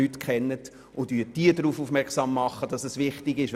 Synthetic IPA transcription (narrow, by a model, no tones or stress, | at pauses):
ytkʰχɛnːət | ʔʊndyːd̥iədɾuːfufmɛʁksɑmːɑχːəd̥ɑsɛsʋɪχtɪɡɪʃ